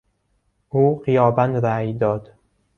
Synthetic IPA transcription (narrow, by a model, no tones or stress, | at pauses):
ʔuːɢijɒːbænd̪ɾæːjd̪ɒːd̪̥